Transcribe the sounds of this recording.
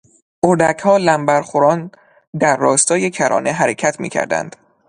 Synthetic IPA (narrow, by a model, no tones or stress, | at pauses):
ʔoɾd̪æcʰhɒːlæmbæɾχoɾɒːn | d̪æɾːɒːst̪ɒːje̞cʰæɾʔɒ̰ːneɦæɾe̞cʰæt̪ʰmḭːcʰæ̰ɾd̪æ̰nd̪̥